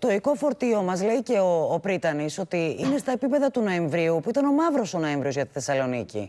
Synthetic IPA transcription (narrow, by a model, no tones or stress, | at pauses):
t̪o̞iko̞fo̞ɾt̪io̞mɐzle̞ice̞oːpɾit̪ɐniso̞t̪iine̞st̪ɐepipe̞ðɐt̪uno̞e̞ɱvɾiupuit̪ɐno̞mɐvɾo̞so̞no̞eɱvɾiozʝɐt̪i̥θesɐlo̞nicḭ